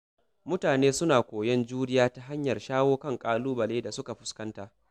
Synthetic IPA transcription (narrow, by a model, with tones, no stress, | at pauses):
mʊ˦taː˨neː˦sʊ˦naː˨kʷoː˨jɛ˦nd͡ʒuː˦ɽɪ˦jaː˦ta˦ɦa˦ɲjɐ˨rʃaː˦woː˦kɐ˦ŋkʼaː˦luː˦bɐ˨leː˦da˨sʊ˦ka˨ɸʊ̥˦skɐ˦ntaː˨ʔ